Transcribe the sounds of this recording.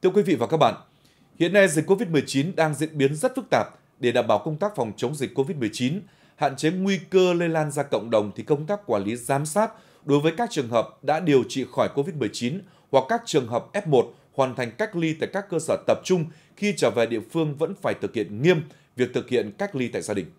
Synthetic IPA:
t̪ʰɨ˧əkwi˨˦vḭ˧˨vaː˨˩kaː˦˥k̚ɓa̰ː˧˨n | hḭ˧˨ənːa˧jzi˨˩k̟kːo˧vi˦˥t̚mɨ˨˩əjt͡ɕi˨˦nɗaː˧ŋzḭ˧˥ənɓi˨˦ənzə˦˥t̚fɨ˦˥k̚t̪aː˨˩p̚ | ɗe˧˩ɗaː˨˩mɓaː˧˩wkə˧wŋ͡mt̪aː˦˥k̚fɔ˨˩wŋ͡mt͡ɕə˨˦wŋ͡mzï˨˩k̟̚ʲkːo˧vi˦˥t̚mɨ˨˩əjt͡ɕi˨˦n | ha̰ː˧˨nt͡ɕe˨˦ŋwi˧kəː˧le˧laː˧nzaː˧kə̰˧˨wŋ͡mɗə˨˩wŋ͡mt̪ʰi˨˩kə˧wŋ͡mt̪aː˦˥kːwaː˧˩nli˨˦zaː˨˦msaː˦˥t̚ | ɗo˨˦jvəː˨˦jkaː˦˥k̚t͡ɕɨ˨˩əŋɦəː˨˩p̚ɗa̰ː˧˥ɗi˨˩əwt͡ɕḭ˧˨xɔ˧˩jko˧vi˦˥t̚mɨ˨˩əjt͡ɕi˨˦n | hwa˨˩kːaː˦˥k̚t͡ɕɨ˨˩əŋɦəː˨˩p̚ʔɛ˦˥p̚mo˨˩t̚ | hwaː˨˩nt̪ʰa˨˩ŋ̟ka˦˥jk̟̚li˧t̪a̰ː˧˨jkaː˦˥kːəː˧səː˧˩t̪ə˨˩p̚t͡ɕʊ˧ŋ͡m | xi˧t͡ɕəː˧˩vɛ˨˩ɗḭ˧˨əfɨ˧əŋvə̰˧˥nfaː˧˩jt̪ʰɨ˨˩k̚hḭ˧˨ənŋi˧əm | vi˨˩ək̚t̪ʰɨ˨˩k̚hḭ˧˨ənka˦˥jk̟̚li˧t̪a̰ː˧˨jzaː˧ɗï˨˩ŋ̟

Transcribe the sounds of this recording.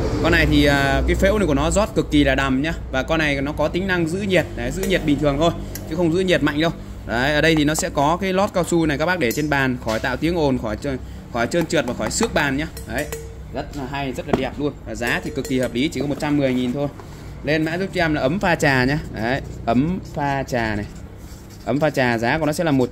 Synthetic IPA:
kɔ˧nːa˨˩jt̪ʰi˨˩ʔəː˨˩kaː˨˦jfḛ˧˥wn˧˨ku˧˩ənɔ˨˦zɔ˦˥t̚kɨ˨˩kːi˨˩laː˨˩ɗa˨˩mɲaː˧vaː˨˩kɔ˧na˨˩jnɔ˨˦kɔ˨˦t̪ï˨˦ŋ̟na˧ŋzɨ̰˧˥ɲi˨˩ət̚ɗə˨˦jzɨ̰˧˥ɲi˨˩ət̚ɓï̟˨˩t̪ʰɨ˨˩əŋt̪ʰo˧j | t͡ɕɨ˨˦xə˧wŋ͡mzɨ̰˧˥ɲi˨˩ət̚ma̰˧˨jŋ̟ɗə˧w | ʔəː˨˩ɗə˧jt̪ʰi˨˩nɔ˨˦sɛ̰˧˥kɔ˨˦kaː˨˦jlɔ˦˥t̚kaː˧wsu˧na˨˩jkaː˦˥k̚ɓaː˦˥k̚ɗe˧˩t͡ɕe˧nɓaː˨˩nxɔ˧˩jt̪a̰ː˧˨wt̪i˨˦əŋʔo˨˩nxɔ˧˩jt͡ɕ | xɔ˧˩jt͡ɕəː˧nt͡ɕɨː˨˩t̚vaː˨˩xɔ˧˩jsɨ˦˥ək̚ɓaː˨˩nɲaː˧ʔə˨˦j | zə˦˥t̚ːɦa˧jzə˦˥t̚laː˨˩i˨˩p̚lu˧ənvaː˨˩zaː˨˦t̪ʰi˨˩kɨ˨˩kːi˨˩həː˨˩p̚li˨˦t͡ɕi˧˩kɔ˨˦o˨˩t̚t͡ɕa˧mːɨ˨˩əjŋi˨˩nt̪ʰo˧j | le˧nma̰ː˧˥zʊ˦˥k͡p̚t͡ɕɛ˧mlaː˨˩ʔə˨˦mfaː˧t͡ɕaː˨˩ɲaː˧ʔə˨˦jʔə˨˦mfaː˧t͡ɕaː˨˩na˨˩j | ʔə˨˦mfaː˧t͡ɕaː˨˩zaː˨˦kːnɔ˨˦sɛ̰˧˥laː˨˩mo˨˩t̚

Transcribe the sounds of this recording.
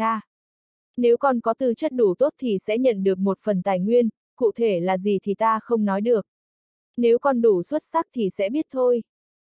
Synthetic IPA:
aː˧ | ne˨˦wkɔ˨˩nkɔ˨˦t̪ɨ˨˩t͡ɕə˦˥t̚ɗu˧˩t̪o˦˥t̚t̪ʰi˨˩sɛ̰˧˥ɲə̰˧˨nɗɨ˨˩ək̚mo˨˩t̚fə˨˩nt̪aː˨˩jŋwi˧ən | kṵ˧˨t̪ʰe˧˩laː˨˩zi˨˩t̪ʰi˨˩t̪aː˧xə˧wŋ͡mnɔ˨˦jɗɨ˨˩ək̚ | ne˨˦wkɔ˨˩nɗu˧˩swə˦˥t̚sa˦˥k̚t̪ʰi˨˩sɛ̰˧˥ɓi˦˥ət̚t̪ʰo˧j

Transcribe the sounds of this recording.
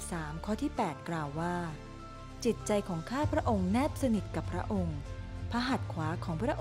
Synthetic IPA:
saː˩˦mkʰɔː˥˩t̪ʰiː˥˩pɛː˨˩t̪̚klaː˧wːaː˥˩ | t͡ɕi˨˩t̪̚t͡ɕa˧jkʰɔː˩˦ŋkʰaː˥˩pʰɾa˦˥ʔo˧ŋnɛː˥˩p̚sa˧ni˨˩t̪̚ka˨˩pʰːɾa̰˦˥ʔo˧ŋpʰa˧ɦa˨˩t̪̚kʰwaː˩˦˥kʰɔː˩˦ŋpʰɾa˦˥ʔ

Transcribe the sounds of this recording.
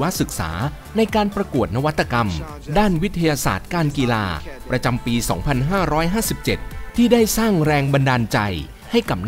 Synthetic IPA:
wa˦˥ʔsɯ˨˩k̚sa̰ː˩˦ | na˧jkaː˧npɾa˧ku˨˩ət̪̚na˦˥wa˦t̪ʰːa˧ka˧m | daː˥˩nwi˦˥t̪ʰːa˧jaː˧sa̰ː˨˩t̪̚kaː˧nkiː˧la̰ː˧pɾa˧t͡ɕa˧mpiː˧sɔ̰ː˩˦ŋpʰa˧nɦaː˥˩ɾɔː˦˥jɦaː˥˩si˨˩p̚t͡ɕe˨˩t̪̚ʰːiː˥˩daː˥˩jsaː˥˩ŋɾɛː˧ŋba˧ndaː˧nt͡ɕa˧j | ha˥˩jka˨˩p̚n

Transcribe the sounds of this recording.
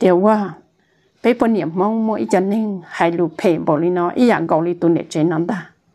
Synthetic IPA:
t̪i˧˨wwa˧˨ | pe˧˦pɔ˧˨ni˨ə˨mmmɔ˧˦ŋmu˧˨ʔi˦t͡ɕa˧˨ni˧˨ŋha˨jlu˨pʰe˨bo˨li˧nɔ˧˦ʔḭ˦ja˧˨ŋ˨ɡɔ˨wli˧t̪u˧˨nḛ˨t͡ʃe˧nã˧˦nd̪a˧˨

